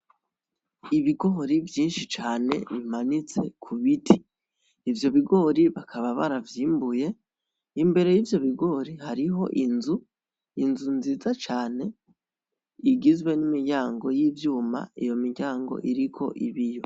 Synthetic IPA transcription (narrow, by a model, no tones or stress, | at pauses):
iβiɡo̞ːɾivjiːnʃit͡ʃaːne̞̰βimanit͡se̞̰kʰuβitʰiː | vjo̞βiɡo̞ːɾiβakʰaβaβaɾavjiːmbuje̞ | imbe̞ɾe̞jivjo̞βiɡo̞ːɾihaɾiɦo̞̰ʔinzu | inzunziːzat͡ʃaːne̞ | iɡizwe̞nimiɟaːŋɡo̞jiːvjuːma̰ijo̞miɟaːŋɡo̞̰ʔiɾikʰo̞̰ʔiβijo̞